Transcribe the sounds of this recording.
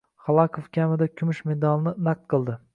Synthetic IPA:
χɑlˠɑkʰofkʲamɪd̪akʲʰʊmɪʃme̞d̪ɑlˠnɪnaq̚t̪̚qʰɨlˠd̪ɪ

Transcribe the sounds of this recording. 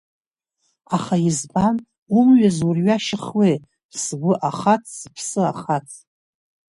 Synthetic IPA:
aχaizban | umɥazurɥaʃɪχwej̥ | sɡʷʊʔaχatʰz̥pʰsɨa̰χatʰ

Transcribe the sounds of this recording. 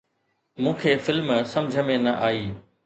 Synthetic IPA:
mũːkʰeːfɪlmsɐ̃md͡ʑʱəmẽnɐʔaːiː

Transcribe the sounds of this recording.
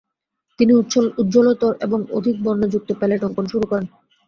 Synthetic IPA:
t̪iniut̪ːɕʰolut̪̚ːd͡ʑolot̪oɾʔḛboŋo̰d̪ʱik̚bɔnːod͡ʑuk̚t̪opeleʈɔŋkonʃuɾukɔɾen

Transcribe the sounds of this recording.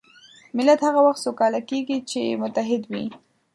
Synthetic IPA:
mɪlat̪haɣawaxt̪sokɑlakeɡit͡ʃemʊt̪aɦɪd̪wi

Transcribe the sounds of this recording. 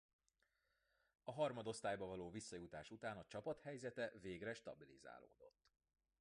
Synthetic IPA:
ɒɦɒrmɒd̪o̞st̪aːjbɒvɒloːvisːɒjut̪aːʃut̪aːnɒt͡ʃɒpɒt̪hɛjzɛt̪ɛveːɡrɛʃt̪ɒbiliza̰ːlo̰ːd̪o̞̰t̪ː

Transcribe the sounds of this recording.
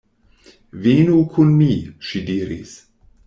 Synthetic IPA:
viːnukʰunmiʃidiːɾḭs

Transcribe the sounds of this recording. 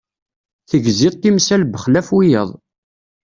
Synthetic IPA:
θəɡziðt̪ːimsælbəχlæfwijə̰ðˤ

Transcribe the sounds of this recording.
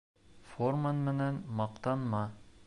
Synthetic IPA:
formanmɘ̆nænmɑqt̪ɑnmɑ

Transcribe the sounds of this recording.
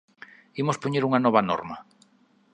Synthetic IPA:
imospoɲeɾuŋanɔβɐnɔ̰ɾmɐ

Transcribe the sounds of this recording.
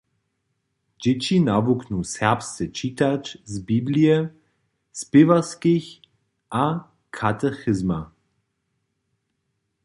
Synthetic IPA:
d͡ʑɛt͡ɕinavuknusɛʁpst̪ɛt͡ʃiːt̪at͡ʃzbibliɛ | spɪvaskiç | ʔa | kʰat̪ɛxɪzma

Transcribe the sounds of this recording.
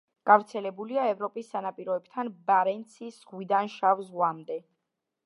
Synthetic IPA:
ɡ̥avɾt̪sʰɛlɛbuliaɛvɾɔpʼisːanapʼiɾɔɛbt̪ʰanbaɾɛnt̪sʰisʁwid̪anʃavzʁwamd̪ɛ

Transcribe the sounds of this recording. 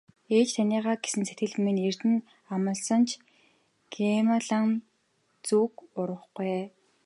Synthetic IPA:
eːt͡ɕt̪ʰæniːʁaːɡe̥sɘ̆nsæt̪ɡɘ̆ɮmener̥t̪ɘ̆n | amə̆ɮsə̆nt͡ɕʰ | ɡ̥emaɮan | t͡suːkʊɾə̆χɡej

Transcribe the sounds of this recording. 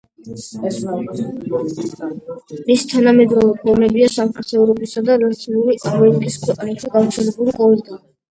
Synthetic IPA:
misi̥t̪ʰanamɛd̪ɾɔvɛpʰɔɾmɛbiasamχaɾt̪sʰɛuɾɔbisad̪aɾat̪sʰiuɾiʔaɾmɛnikʼiskʰwɛqʼanaʃiɡaft̪sʰɛlɛbuliqʼɔɛld̪a

